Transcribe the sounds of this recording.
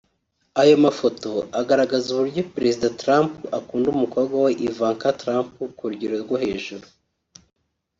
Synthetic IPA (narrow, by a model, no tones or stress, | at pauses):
ajo̞mafo̞to̞aɡaɾaɡazuβuɾɟopɾe̞zidatɾampuʔakuːndumuko̞bɡwaweʔivaːŋkatɾampukuɾuɟiɾoɾɡwohe̞ːʒuɾu